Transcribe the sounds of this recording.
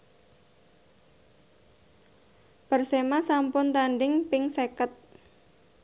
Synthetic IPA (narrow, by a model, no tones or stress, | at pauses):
b̥ərsemasampʊnt̪anɖɪŋpɪŋsekət̪̚